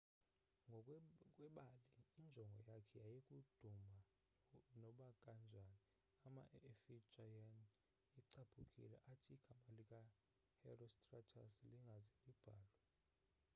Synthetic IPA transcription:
ŋɡʱɔkʼwɛɓaliːnd͡ʒʱɔŋɡʱɔjakʰɛjajekʼud̥ʱuma | nɔɓaɡ̥ʼand͡ʒʱani | ama̰ʔefid͡ʒʱajan | iǀab̥ʰʱukʼḭlɛ̰ʔatʰiɡ̥ʱamalikʼa | hɛ̰rɔstʼratʰasliŋɡʱazilib̥ʱaːlwa

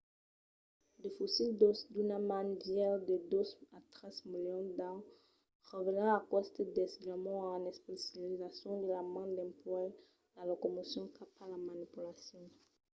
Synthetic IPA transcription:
defosild̪osd̪ynamanɡjɛld̪əd̪uzat̪χɛzmiljɔ̃d̪ã | ʁevenɑ̃akɔst̪ed̪esilamɔ̃anɛspesjalizasjɔ̃d̪əlamãd̪ɛ̃mplwa | alokɔmosjɔ̃kʰapalamanipylasjɔ̃

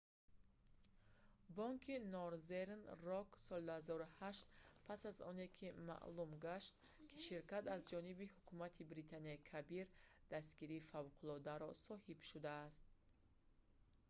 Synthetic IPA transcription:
bɔŋkʰinɔɾzeɾnrɔksɔlid̪uhazɔɾuhaʃt̪pʰasazɔ̰ne̞kʰima̰ʔlumɡaʃt̪kʰi̥ʃiɾkat̪azd͡ʒɔnibihukʰumat̪ʰibɾit̪ʰaniaikʰabiɾd̪̥ast̪ɡiɾiːfavqʰulɔd̪aɾɔsɔhibʃud̪aːst̪̚

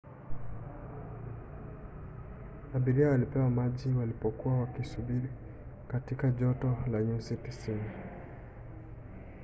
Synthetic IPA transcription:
aɓiɾiawalipɛwamaʄiwalipɔkuwawakisubiɾi | katikaʄɔtɔlaɲusitisini

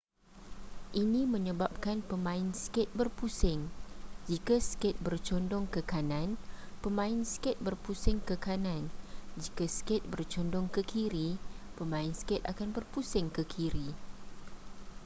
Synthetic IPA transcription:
ʔinĩmə̃ɲə̃bap̚kanpəmãɪnskɪt̪̚bərpusɪŋd͡ʒikaskɪt̪̚bərt͡ʃɔndɔŋkəkanãnpəmãɪnskɪt̪̚bərpusɪŋkəkanãnd͡ʒikaskɪt̪̚bərt͡ʃɔndɔŋkəkʰiɾipəmãɪnskɪt̪̚a̰kanbərpusɪŋkəkʰiɾi

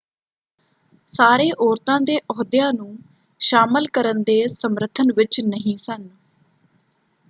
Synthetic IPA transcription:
saːɾeːʔɔːɾt̪ãːd̪eːʔɔːd̪ɪjãːnũː | ʃaːməlkəɾənd̪eːsəmɾət̪ʰənʋɪt͡ʃnəɦĩːsən

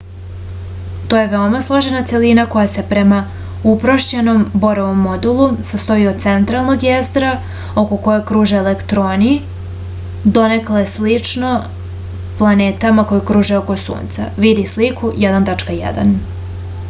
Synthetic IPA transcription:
t̪o̞ːje̞ʋe̞o̞maslˠo̞ʒe̞nat̪se̞linako̞jase̞pɾe̞ma | upɾoʃt͡ɕeno̞mbo̞ɾoʋo̞mːo̞d̪ulˠusast̪o̞iot̪se̞nt̪ɾalˠno̞ɡjezd̪ɾa | o̞ko̞ko̞jokɾuːʒeːlekt̪ɾoːni | d̪o̞ne̞klˠaeslit͡ʂno̞ | plˠane̞ːt̪amako̞jokɾuːʒeoko̞sṵːnt̪sa̰ʋid̪islikujɛd̪ant̪at͡ʂkajɛ̰d̪a̰n

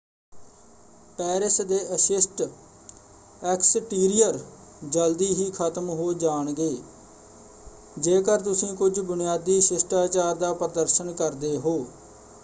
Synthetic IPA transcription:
pɛːɾɪsd̪eːʔəsɪsʈ | ɛksʈiːɾɪjəɾ | d͡ʒəld̪iːɦiːkʰət̪əmɦoːd͡ʒaːɳɡeː | d͡ʒeːkəɾt̪̬ʊsĩːkʊd͡ʒbʊnɪjaːd̪iːʃɪsʈaːt͡ʃaːɾd̪aːpəɾəd̪əɾʃənkəɾd̪eːɦoː

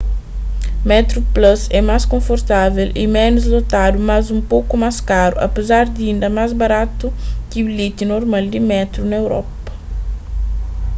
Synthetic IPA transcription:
mɛt̪ɾuplɐsɛmaskõfoɾt̪avelḭmɛnuzlot̪ad̪umazũmpowkumaskaɾṵʔɐ̰pezaɾd̪iĩnd̪ɐmazbɐɾat̪ukibilit̪inoɾmald̪imɛt̪ɾunɐewɾɔ̰pɐ̥

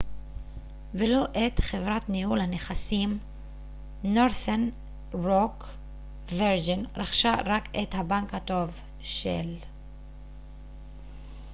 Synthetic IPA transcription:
velo̞ʔet̪χevʁatnihulhaneχasim | noɾθen | ʁok | veɾd͡ʒinʁaχʃaʁakethabaŋkhato̞v | ʃḛl

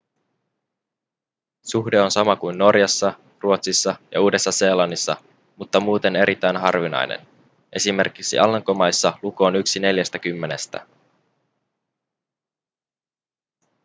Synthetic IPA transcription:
suxdeo̞nsɑmɑkujnːo̞rjɑsːɑ | ruot̪sisːɑjɑ̰uːde̞sːɑse̞ːlɑnːisːɑ | mut̪ːɑmuːt̪e̞ne̞ɾʔit̪ːæjnɦɑrʋinɑ̰jnḛn | ʔe̞sime̞rkiksḭʔɑlːɑŋko̞mɑjsːɑluko̞ːnyksine̞ljæst̪æk̟ymːe̞ne̞st̪æ̰

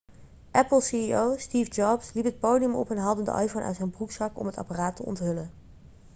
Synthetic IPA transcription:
ʔɛpəlˠsiiowstiːfd͡ʒɑbslipɦət̚powdijəmɔ̰pɦɛnɦɑlˠdəndə̰ʔɑ̰jfownʔa̰ɥntzɛjnbruksɑkɔ̰mɦətɑ̰paraːtəɔ̰ntɦɵlən

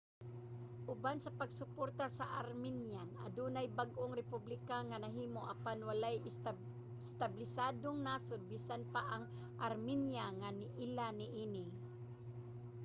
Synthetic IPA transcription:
ʔʊbansɐpɐɡsʊpoɾt̪asaʔaɾminjana̰d̪uːnajbaɡʔoŋɾɛpublɪkaŋanɐɦiːmoʔapanwalaj | st̪ablɪsaːd̪oŋnaːsʊnbiːsanpaʔaŋ | ʔaɾminjaŋanɪʔɪlanɪʔiːnɪ

